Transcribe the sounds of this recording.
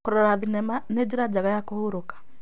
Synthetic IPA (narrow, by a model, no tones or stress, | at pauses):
koɾɔɾaðinɛmaned͡ʑeɾad͡ʒaɣajakohoɾokḁ